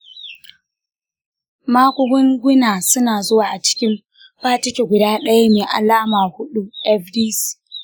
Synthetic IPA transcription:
maː˦kʷʊ˦ɡʊ˦ŋɡʷʊ˦naː˨sʊ˦naː˨zʊ˦waː˨ʔa˨t͡ʃɪ̥˦kʲɪ˦m | ɸaː˦t͡ʃɪ˦kʲe˨ɡʷʊ˨daː˦ɗɐ˦ja˦neː˨ʔa̰˨laː˦maː˨hʊ˦ɗu˦ʔɛ˦fdiː˦s

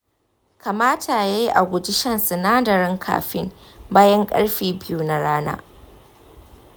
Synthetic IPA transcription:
kʰa˨maː˦tʰaː˨ja˦ji˦ʔa˨ɡʷʊ˨d͡ʒɪ˦ʃɐ˦nsʊ˨naː˦dɐ˨ɾɪ˦ŋkʰa̰ː˨ɸɪ˦mbaː˦jɐ˦ŋkʼɐ̰˦ɽɸiː˨bɪ˦juː˨na˨ɽaː˦na̰ː˦

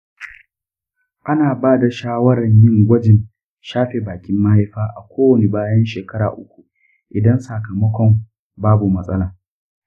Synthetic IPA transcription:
ʔa˦naː˨baː˦da˨ʃaː˦wɐ˦ɽɐ˨ɲjɪ˦ŋɡʷɐ˦d͡ʒɪ˨n | ʃaː˦ɸe˨baː˨kʲɪ˦mːa˦ha˦jɸaː˦ʔa̰˨kʷoː˦wɐ˨ne˨baː˦jɐ˦nʃeː˨kɐ˦ɽa̰ː˨ʔʊ˦kʷu˨ | ʔɪ˨dɐ˦nsa˨kɐ˨mɐ˦kʷɔ˨m | baː˦bu˨mɐ˨sʼɐ˦laː˨

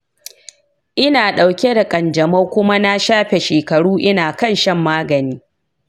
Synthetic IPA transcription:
ʔɪ˦naː˨ɗa˨wkʲe˦da˨kʼɐ˨nd͡ʒɐ˨mɐ˦kʷʊ˦ma˦na˦ʃaː˦ɸe˨ʃeː˨kɐ˨ɽuː˦ʔɪ˦naː˨kɐ˦˨nʃɐ˦˨mːaː˦ɡɐ˨niː˦

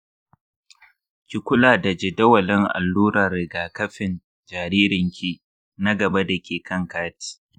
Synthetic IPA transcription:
kʲi˨kʷʊ˦laː˨da˨d͡ʒɪ˨dɐ˦wɐ˨lɪ˦ŋʔa̰˨lːuː˦ɾɐ˨ɾɪ˨ɡaː˨kɐ˦ɸɪ˨n | d͡ʒaː˨ɾiː˦ɾɪ˨ŋkʲi˦ | na˦ɡɐ˨ba˦da˨kʲeː˨kʰɐ˦ŋkaː˦ti̥ː˦

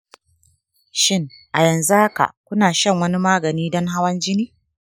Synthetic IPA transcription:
ʃɪ˦ŋʔa˨jɐ˨nzu˦ha˦ka̰˨kʷʊ˦naː˨ʃɐ˦˨ŋwɐ˦ni˦maː˦ɡɐ˨niː˦dɔ˦ŋɦa˦wɐ˦nd͡ʒɪ˦niː˦

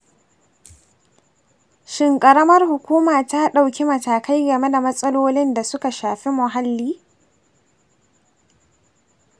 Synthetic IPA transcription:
ʃɪ˨ŋkʼɐ˨ɾɐ˦mɐ˦rhʊ˨kʷuː˦maː˨ta˦ɗa˨wkʲi˦mɐ˨taː˨ka˦jɡɐ˨me˦da˨mɐ˦sʼɐ˦loː˦lɪ˦nda˨sʊ˦ka˨ʃaː˨ɸi˦mʊ˨ɦa˦lːiː˦

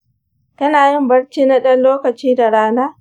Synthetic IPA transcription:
tɐ˦naː˨jɪ˦˨mbɐ˦ɽt͡ʃiː˦na˦ɗɐ˦nloː˦kɐ˨t͡ʃiː˦da˨ɽaː˦naː˦

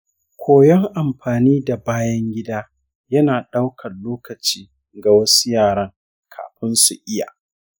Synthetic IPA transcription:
kʷʰoː˨jɔ˦ŋʔa˨mɸaː˨niː˦da˨baː˦jɐ˦ŋɡʲɪ˦daː˦ | jɐ˦naː˨ɗa˦wkʰɐ˨nloː˦kɐ˨t͡ʃiː˦ | ɡa˨wɐ˦su̥˦jaː˨ɽɐ˦ŋ | kʰa̰ː˨ɸɪ˦nsu˨ʔɪ˦ja̰ː˨

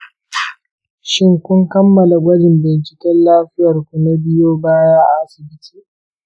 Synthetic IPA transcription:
ʃɪ˦ŋkʷʊ˦ŋkɐ˦mːɐ˨la˨ɡʷɐ˦dɪ˨mbɪ˨nt͡ʃɪ˨kʲɛ˦nlaː˦ɸɪ˦jɐ˨rkʷu˨na˦bɪ˦joː˦baː˦jaː˦ʔa˨ʔa˦sɪ˨bɪ˦tʰi̥ː˦˨

